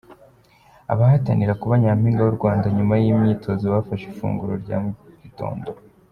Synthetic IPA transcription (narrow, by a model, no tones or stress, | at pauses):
a̰βahataniɾakuβaɲam̥hiːŋɡajuɾɡwaːndaɲumajimɲiːtʰo̞ziβafaʃifṵːŋɡuɾoɾɟa̰mɡito̞̰ːndo̞